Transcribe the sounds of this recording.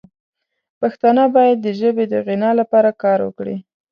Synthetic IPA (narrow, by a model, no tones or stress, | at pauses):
paxt̪ɑnəbɑjad̪̚ːəʒəbed̪əɣɪnɑlapɑɾakɑɾwə̰kɽḭ